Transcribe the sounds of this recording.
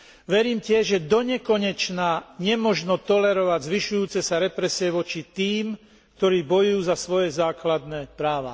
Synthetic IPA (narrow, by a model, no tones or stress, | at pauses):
ʋɛɾiːmcɪɛʒʒɛd̪ɔɲɛkɔɲɛt͡ʃnaːɲɛmɔʒnɔt̪ɔlɛɾɔʋaɟzʋiʃujuːt͡sɛsaɾɛpɾɛsɪɛʋɔt͡ʃit̪iːm | k̚t̪ɔɾiːbɔjujuːzasʋɔjɛzaːklad̪nɛːpɾaːʋa̰